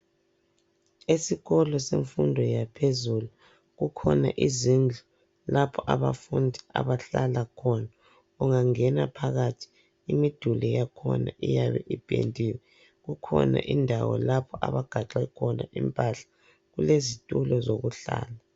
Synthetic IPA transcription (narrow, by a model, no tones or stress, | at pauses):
esiɣɔlɔseɱfundʱɔjapʰezulu | ɣukʰɔna̰ʔizind͡ɮʱu | lapʰɔʔaβafundʱia̰βaɬalakʰɔna | uŋaŋɛnapʰaɣatʰi̥ | imid̥ʱulɛjakʰɔnaʔijaβɛʔib̥ʱḛntʼiwɛ | ɣukʰɔ̰na̰ʔindʱawɔ̰lapʰɔʔa̰βaɡ̥ʱaǁɛkʰɔnaʔimpʼaɬḁ | ɣulezitʼulɔzoɣuɬa̰ːla